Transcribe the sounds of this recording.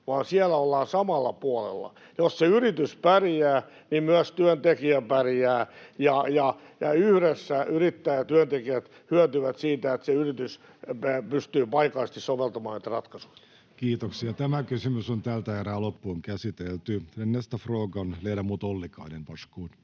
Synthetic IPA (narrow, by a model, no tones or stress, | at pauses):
ʋɑːnsielæolːɑːsɑmɑlːɑ̰puolḛlːɑ̰ | josseyrit̪yspærijæː | nimmyøst̪yønt̪ekiæpæræːjɑjɑ | jɑyhɾesːæyrit̪ːæːjɑt̪yønt̪ekiæt̪ | hyøt̪yʋæt̪siːt̪æet̪seyrit̪ys | pyst̪yːpɑikɑist̪issoʋelt̪ɑmɑːnet̪rɑt̪kɑsu̥i̥t | kiːt̪oksiɑt̪æmækysymysont̪æːlt̪æeɾæːlopːuoŋkæsit̪elt̪ysennest̪ɑfroːɡɑnleilɑmuːt̪olːikɑ̰inenpɑskuːn